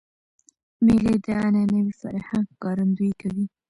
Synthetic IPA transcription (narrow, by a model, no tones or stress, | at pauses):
meled̪əananəwifa̰ɾhaŋɡkɑɾand̪ujkawi